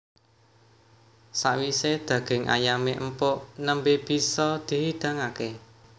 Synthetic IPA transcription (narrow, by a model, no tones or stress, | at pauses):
saʔwised̪̥ä̤ɡ̥ɪ̤ŋʔa̰jameʔəmpoʔnəmbeb̥i̤sɔd̪̥e̤wid̪̥ä̤ŋake